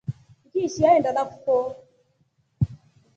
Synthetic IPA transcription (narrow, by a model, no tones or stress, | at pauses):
ikiʃiaɛndalakufɔ